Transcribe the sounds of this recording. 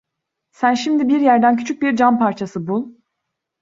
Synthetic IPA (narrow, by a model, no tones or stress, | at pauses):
sænʃimd̪ibiɾjæɾd̪æncʰyt͡ʃʰyc̚biɾd͡ʒanpaɾt͡ʃʰasɯbulˠ